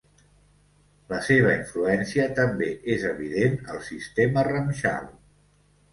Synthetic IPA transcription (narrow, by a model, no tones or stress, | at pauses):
ləseβ̞əiɱfluɛnsiət̪əmbeʔezəβ̞iðenəlˠsist̪emərəmʃa̰l